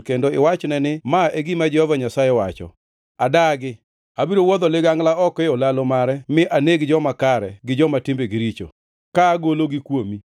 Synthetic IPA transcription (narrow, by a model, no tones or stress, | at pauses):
kendoɪ̰wat͡ʃnɛnɪmaʔeɡimad͡ʒɛhɔvaɲasajɛwat͡ʃɔ̰ | adaɡɪ | abiɾowɔd̪ɔlɪɡaŋɡlaɔkɛɔlalomaɾɛmɪʔaneɡd͡ʒɔmakaɾɛ̰ɡɪd͡ʒɔmatɪmbeɡɪɾit͡ʃo̰ | kaːɡoloɡɪkwomi